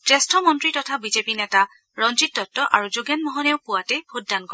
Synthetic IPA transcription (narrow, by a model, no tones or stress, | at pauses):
tɹɛstʰɔmɔntɹitɔtʰabizepinɛta | ɹɔnzitːɔtːɔʔaɹuzoɡjanmɔɦɔnɛʊpʊwatɛb̥ʱot̚daŋkɔɹɛ